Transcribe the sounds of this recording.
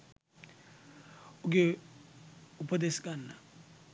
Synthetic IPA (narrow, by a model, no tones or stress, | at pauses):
uk̬ʼɛ | upʰɔtesi̥k̬ʼanːa